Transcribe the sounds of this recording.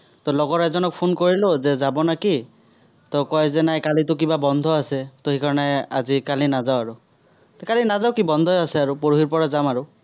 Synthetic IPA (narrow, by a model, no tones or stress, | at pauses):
tɔlɔɡɔɹɛzɔnɔk̚pʰonkoɹilozɛzabɔnaki | t̪ɔkɔjzɛnajkalitʊk̬ibabɔnd̪ʱɔasɛtohikaɹɔnɛa̰zikalinazaʊaɹu | tkalinazawkibɔnd̪ʱɔjasɛaɹupoɹuɦiɹpɔɹazamaɹu